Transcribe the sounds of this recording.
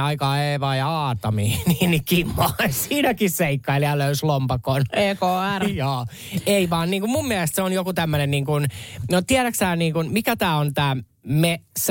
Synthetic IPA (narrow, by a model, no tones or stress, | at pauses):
ɑikɑːeːʋɑːjɑɑːt̪ɑmiːniːnikimːɑːsiːnækisseikːɑiljɑløyslompɑkoneːkoːærjoː | eiʋɑːnniːŋkummummiæst̪seonjokut̪æmːønenniːŋkunnot̪iæɾæksæːnniːŋkunmikæt̪æːont̪æː | mes